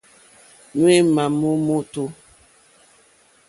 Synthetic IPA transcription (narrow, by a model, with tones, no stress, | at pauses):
nwe˦ma˨mo˦mo˦to˦